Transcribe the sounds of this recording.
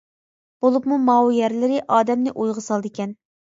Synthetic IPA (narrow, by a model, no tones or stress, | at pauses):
b̥olˠupmumɑwjɛɾlɪɾɪʔɑːd̪ɛmnɪʔujʁəsɑlˠd̪ɨkʲɛn